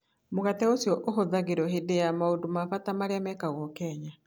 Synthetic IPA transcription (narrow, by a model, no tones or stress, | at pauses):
moɣatɛosjɔʔoɦoðaɣeɾɔɦedejamaodomafatamaɾeamɛkaɣɔkɛɲa